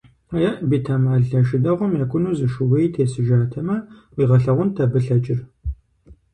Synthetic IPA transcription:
aːjɐʔbiːtʰɐmaːɮɐʃɪdɐʁʷʊmjaːkʷʼʊnuːzɨʃʊwɐjtʰeːsɨʒaːtʰɐmɐwiːʁɐɬɐʁʷʊntʰɐbɨɬɐt͡ʃʼɪr

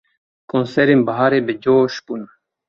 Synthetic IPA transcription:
kõːnseɾimbɐɦaːɾebed͡ʑoːɕpun

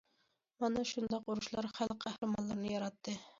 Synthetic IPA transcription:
mɑnɑʃund̪ɑquɾuʃlˠɑɾχælqʰæhɾɪmɑnlˠɨɾnɨjɑɾɑt̪ʰːɨ

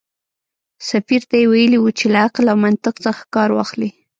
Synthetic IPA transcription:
safiɾt̪ajewajəliwut͡ʃelaaqlawmant̪ɪqt͡səxḁkɑɾwɑ̰xli

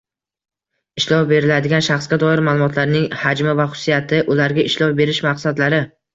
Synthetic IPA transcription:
ɪʃlɒwbe̞ɾɪlad̪ɪɡʲanʃaχsɡʲad̪ɒɪɾmaːlˠʊmɒt̪ʰlaɾnɪŋhad͡ʒmɪvaχʊ̥sːijat̪ʰɪʔʊlaɾɡʲaɪʃlɒwbe̞ɾɪʃmaqsad̪laɾɪ

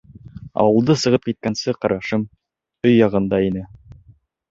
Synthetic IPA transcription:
ɑ̰wɤ̆lˠd̪ɤsɤ̆ʁɤp̚kit̪̚kænsɘqɑɾʔɑʃɤm | ɵjːɑʁɤ̆nd̪ɑinɘ

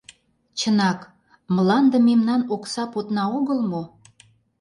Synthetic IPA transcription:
t͡ɕənɑk | məlɑnd̪ə̆memnɑnoksɑpot̪nɑoɣəlmo

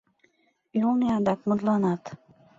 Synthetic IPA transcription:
julˠneɑd̪ɑkmʊd̪lˠɑnɑt̪

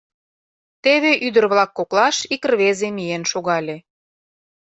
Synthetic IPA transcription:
t̪eβeʔyd̪ə̆rβlɑkːoklɑʃikrβezemijenʃoɣɑlʲe

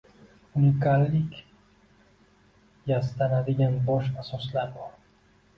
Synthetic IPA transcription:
unikalːik | jast̪anad̪ijanboʃasoslabo

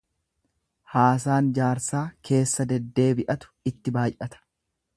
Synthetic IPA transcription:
haːs̬aːnd͡ʒaːɾsaːkʰe̞ːsːɐd̪ɛd̪ːe̞ːbɪʔɐt̪ʊ̥ɪt̪ːɪbaːjʔɐt̪ɐ̥

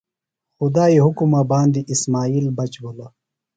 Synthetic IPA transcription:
xud̪aːiɦukumabaːnd̪iʔismaːiːlbɐt͡ɕbola

